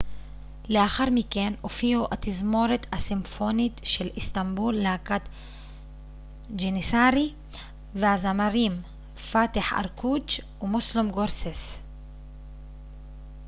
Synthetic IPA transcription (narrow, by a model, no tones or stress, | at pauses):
leaxaɾmikenʔofiuʔat̪izmoɾet̪asimfonit̪ʃelʔist̪ambulːeakat̪ | d͡ʒenisaɾi | vehazamaɾiːm | faːt̪eħa̰ɾkʰut͡ʃ | umuslumɡoɾses